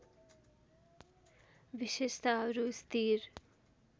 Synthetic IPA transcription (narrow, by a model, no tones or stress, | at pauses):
ʋiʃeʃt̪aɾust̪ʰiɾ